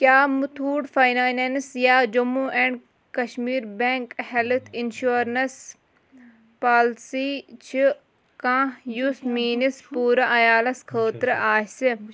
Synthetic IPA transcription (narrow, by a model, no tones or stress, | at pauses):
kjaːmut̪ʰuːɖfajnaːjnensjaːd͡ʒumuʔeɳɖ | kɐʃmiːɾbeŋkhelt̪ʰinʃuːɾnɐs | paːlsit͡ʃʰi | kãːjusmiːnispuːɾaʔɐjaːlɐskʰəːt̪ɾʔaːɦsi